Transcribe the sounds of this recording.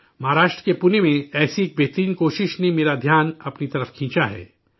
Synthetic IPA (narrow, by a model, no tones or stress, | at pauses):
mɐɦaːɾaːʃʈɾəkepʊnemẽɛːsieːk̚bʱeːt̪ɾiːnkoːʃɪʃnemeːɾad̪ʱjaːnɐpnit̪ɐɾəfkʰĩːt͡ʃaɦɛ̰ː